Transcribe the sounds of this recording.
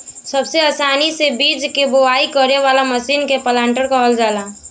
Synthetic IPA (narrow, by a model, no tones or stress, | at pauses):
səbseaːsaːnisebiːd͡ʒkeboaːikəɾeʋaːlaməsiːnkepəlãːɳʈəɾkaɦəld͡ʒaːlaː